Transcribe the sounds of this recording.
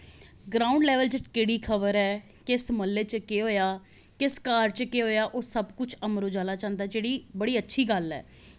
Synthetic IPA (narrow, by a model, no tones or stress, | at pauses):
ɡɾaːʊ̃ɳɖlɛːʋəld͡ʒɪkeːɽiːkʰəʋəɾɛː | kɪsməlːeːt͡ʃəkeɦoːjaː | kɪskaːɾt͡ʃkeɦoːjaːʔoːsəbkʊt͡ʃʰəmɾoːd͡ʒaːlaːt͡ʃãːnd̪aːd͡ʒeːɽiːbəɽiːətːʃʰiːɡəlɛ̰ː